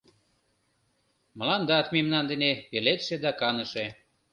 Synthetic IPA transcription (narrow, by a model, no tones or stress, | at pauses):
məlɑnd̪ɑt̪memnɑnd̪ənepelet̪ʃed̪ɑkɑnəʃe